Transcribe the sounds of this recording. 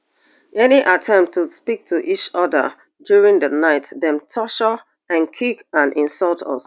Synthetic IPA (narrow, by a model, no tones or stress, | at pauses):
ɛniʔatʰɛ̃mp̚tʰːuspik̚tʰuʔit͡ʃɔdə̰ | djuɹĩŋdənaɪtðɛ̃mtʰɔʃə | ãnkʰikãnʔĩnsɔlˠtʰɔ̰s